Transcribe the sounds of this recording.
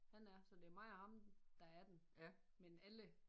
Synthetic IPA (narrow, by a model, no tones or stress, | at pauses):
hænæɐsɒ̽d̥eæɐmɑ̈ɪhɑ̈md̥ɑ̈æɐd̥en | menælə